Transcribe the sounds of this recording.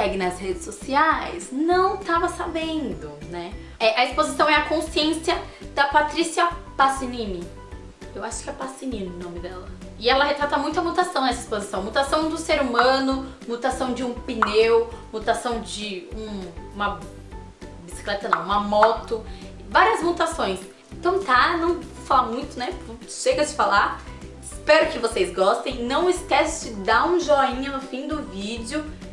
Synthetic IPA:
sɛɡɪnɐzhed͡ʒɪsosiajznɐ̃w̃t̪avɐsabẽnd̪ʊnɛ | ɛʔɐispozisɐ̃w̃ɛɐkõsiẽsiɐ | d̪̥ɐpat̪ɾisiɐpasinĩnɪ | ewaʃʊ̥kɪɛpasinĩnɪ̃nõmɪd̪ɛlɐ | ɪɛlɐɦet̪ɾat̪ɐmũj̃t̪ʊɐmut̪asɐ̃w̃nɛsispozisɐ̃w̃mut̪asɐ̃w̃d̪ʊseɾumɐ̃nʊ | mut̪asɐ̃w̃d͡ʒɪũpinewmut̪asɐ̃w̃d͡ʒɪũũmɐ | bisi̥klɛt̪ɐnɐ̰̃w̃ũmɐmɔt̪ʊ | vaɾiɐzmut̪asõj̃s | ẽt̪ɐ̃w̃t̪anɐ̃w̃falamũj̃t̪ʊnɛput̪ʊ̥ʃeɡɐt͡ʃɪ̥falaɾ | ɪspɛɾʊkɪvosezɡɔst̪ẽj̃nɐ̃w̃ɪskɛst͡ʃɪd̪aũʒoĩɲɐnʊfĩd̪ʊvid͡ʒɪʊ

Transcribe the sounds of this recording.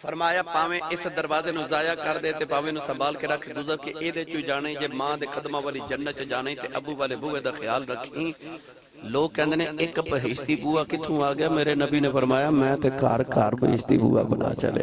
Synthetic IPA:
pʰəɾmaːjaːpaːʋẽːʔɪsd̪əɾʋaːzeːnũːzaːjaːkəɾd̪eːt̪eːpaːʋẽːnũːsəbaːlkeɾəkʰːɡʊzəɾkɪkeːd̪eːt͡ʃʊiːd͡ʒaːɽ̃eːiːd͡ʒeːmãːd̪eːkʰəd̪maːʋaːliːd͡ʒənːət͡ʃəd͡ʒaːɽaiːt̪eːʔəbuːʋaːleːbʊːʋẽːd̪aːxʰɪjaːlɾəkʰːĩː | loːkːɛ̃ːnd̪eːneːɪkpəɦɪːʃt̪iːbuːaːkɪt̪ʰːũːaːɡɪjaːmeːɾeːnəbiːneːpʰəɾmaːjaːmɛ̃ːt̪eːkaːɾkaːɾbəɦɪ̰ːʃt̪ḭːbṵːa̰ːbəna̰ːt͡ʃə̰lḛː

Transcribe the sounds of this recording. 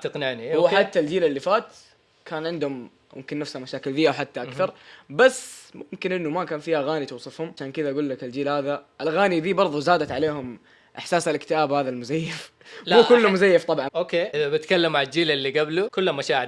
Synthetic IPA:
t̪aqnɪʕnihʊwːħħat̪ːald͡ʒiːlɪlːifaːt̪ | kʰaːnʕɪnd̪hʊm | mʊ̰mkɪnːafshamaʃaːkɪlðɪjːawħat̪ːaʔakθɑɾˤbasːmʊmkɪnʔɪnːumakaːnfiːhaɣaːnit̪uːsˤɨfhʊmʕaʃaːnkɪðaʔɡuːlːakɪld͡ʒiːlhaːðaʔɪlɣaːniðiːbɑɾˤðˤuzaːd̪at̪ʕaleːhʊm | ʔɪħsaːsalkt̪ɪaːbhaːðalmʊzajːɪf | muːkʊlːʊmʊzajːɪft̪ˤɑbʕɑnokeːʔɪðabɪt̪kalːamːaʕɪld͡ʒiːlɪlːiɡablukʊlːamaʃaːʕɪɾ

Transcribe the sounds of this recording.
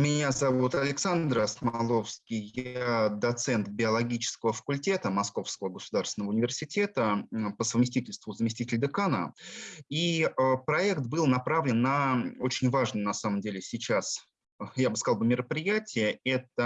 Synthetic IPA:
mʲɪnʲazɐvut̪ɐlʲɪksand̪rɐsmɐɐlˠo̞fskʲɪjjad̪ɐt̪sɛnt̪bʲɪɐlˠɐɡʲit͡ɕɪ̥skəvəfə̥kʊlʲtʲe̞t̪əmɐsko̞fskəvəɡəsʊd̪arst̪vʲɪnəvʊnʲɪvʲɪrsʲɪtʲe̞t̪əpəsəvmʲɪsʲtʲitʲɪlʲst̪vʊzəmʲɪsʲtʲitʲɪlʲd̪ɨkanə̰ | iəpɾɐɛkt̪bɨlˠnɐpɾavlʲɪnːɐo̞t͡ɕɪnʲvaʐnɨjnɐsaməmdʲelʲɪsʲɪt͡ɕas | jabɨskɐzlˠbɨmʲɪɾəpɾʲɪjætʲɪjəɛt̪ə

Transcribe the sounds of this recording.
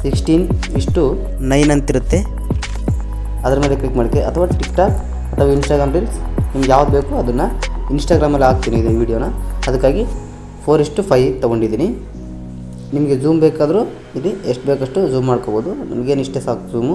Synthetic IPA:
siksʈiːniʂʈu | nɐjnɐnt̪iɾut̪ːe̞ | ɐd̪ɐɾɐmeːleklikmaːɖit̪ːeʔɐt̪ʰɐʋaːʈikʈaːk | ɐt̪ʰɐʋaːinsʈaːɡɾaːmɾiːlsnimɐɡejaːʋud̪be̞ːkuɐd̪ɐnːɐinsʈaːɡɾaːmɐlːiaːk̚t̪iːniːd̪iniʋiːɖijoːnɐɐd̪ɐkːaːɡi | pʰoːɾiʂʈupʰɐjt̪ɔɡo̞ɳɖid̪iːni | nimɐɡezuːmbeːkaːd̪ɐɾu | ilieʂʈbeːkɐʂʈuzuːmːaːɖkoːboːd̪unḭmɐɡe̞ːniʂʈesaːk̪d͡ʒuːmu

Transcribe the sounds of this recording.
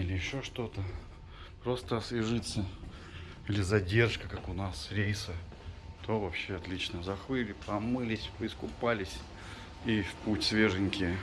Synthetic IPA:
ilʲɪjɪɕːo̞ʂt̪o̞t̪ə | pɾo̞st̪əsvʲɪʐɨt̪sə | ilʲɪzɐdʲe̞rʂkəkakʊnasɾʲejsə | t̪ʰovɐpɕːeɐt̪lʲit͡ɕnəzɐxvɨlʲɪpɐmɨlʲɪsʲpɨɪskʊpalʲɪsʲ | ifputʲsvʲe̞ʐɨnʲkʲɪ

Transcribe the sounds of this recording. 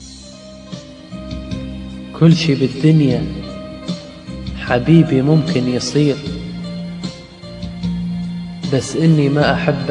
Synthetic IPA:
kʰʊlːʃiːbɪd̪ːʊnja | ħabiːbimʊmkɪnjɨsˤiːɾ | basːʔɪnːimaʔaħabː

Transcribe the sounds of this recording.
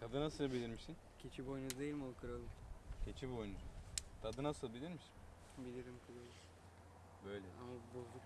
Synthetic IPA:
k̪ʰad̪ɯnasɯlˠbilʲiɾmiʃin | cʲʰet͡ʃʰibojnuzd̪ejilʲmolˠkʰɯɾalˠɯcʰet͡ʃʰibojnuzt̪ʰad̪ɯnasɯlˠbilʲiɾmiʃin | bilʲiɾimkʰɯɾalˠɯ | bø̞jlʲɛamabuzuk

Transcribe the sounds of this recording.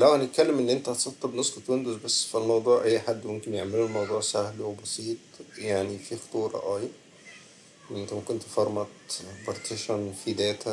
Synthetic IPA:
læwhænet̪̚kælːemʔenːʔent̪æhɑt̪sˤɑt̪ːɑbnosˤɑt̪ːend̪ozbæsːfilmɑwd̪ˤuːʕʔæjːħad̪ːwmomkenjeʕmelulmɑwd̪ˤuːʕsæhlwbɑsˤiːt̪ˤjaʕnifixo̥t̪ˤuːɾˤɑ̰ʔæːj | ʔent̪æmækont̪fɑɾˤmɑt̪bɑɾt̪ʰeʃonfid̪æːt̪ʰæ

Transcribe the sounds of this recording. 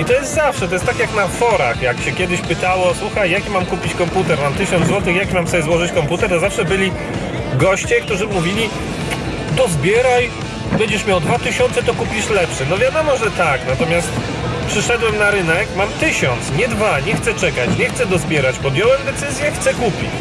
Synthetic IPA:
it̪ɔjɛst̪zafʂɛt̪ɔjɛst̪akʲjaknafɔɾaxjakɕɛkʲjɛd̪ɘɕpɘt̪awɔswuxajːakʲimamkupʲit͡ɕkɔmput̪ɛɾmamt̪ɘɕɔ̃nd̪zwɔt̪ɘxjakʲimamfsɔbʲjɛzwɔʐɨt͡ɕkɔmput̪ɛɾt̪ɔzafʂɛbɘlʲi | ɡɔɕt͡ɕɛk̚t̪uʐɘmuvʲilʲi | d̪ɔzbʲjɛɾaj | bɛɲd͡ʑɛʂmʲjawd̪vat̪ɘɕɔnt̪sɛt̪ɔkupʲiʂlɛpʂɛnɔvʲjad̪ɔmɔʐɛt̪aknat̪ɔmʲjast̪ | pʂɘʂɛd̪wɛmnaɾɘnɛkmamt̪ɘɕɔnt̪sɲɛd̪vaɲɛxt̪sɛt͡ʂɛkat͡ɕɲɛxt̪sɛd̪ɔzbʲjɛɾat͡ɕpɔd̪jɔwɛmd̪ɛt̪sɘzʲjɛxt̪sɛkupʲḭt͡ɕ

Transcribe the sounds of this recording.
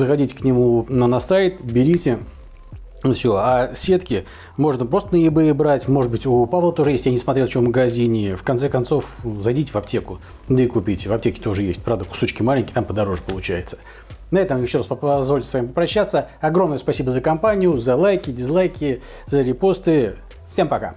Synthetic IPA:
zəxɐdʲitʲɪ̥knʲɪmunənɐsajt̪bʲɪɾʲitʲɪ | fsʲoasʲe̞t̪kʲɪ | mo̞ʐnəpɾo̞st̪ənəjɪbɨɪbɾatʲmo̞ʐɨd̪̚bɨtʲʊpavlˠət̪o̞ʐɨjesʲtʲjanʲɪsmɐt̪ɾʲeft͡ɕoməɡɐzʲinʲɪfkɐnt̪sɛkɐnt̪so̞fzɐjdʲitʲɪvɐp̚tʲe̞kʊ | d̪əɪkʊpʲitʲvɐp̚tʲekʲɪ̥t̪o̞ʐɨjesʲtʲpɾavd̪əkʊ̥so̞t͡ɕkʲɪmalʲɪnʲkʲɪjt̪ampəd̪ɐɾo̞ʐɨpəlˠʊt͡ɕæjɪt̪sə̥ | nɐɛt̪əmʲejɪɕːo̞ɾaspzvolʲtʲɪsvamʲɪmpəpɾɐɕːat̪sːəɐɡɾo̞mnəjəspɐsʲibəzəkɐmpanʲɪjʊzɐlˠajkʲɪbʲɪzlˠajkʲɪ | zəɾʲɪpo̞st̪ɨ | sʲtʲempɐka̰

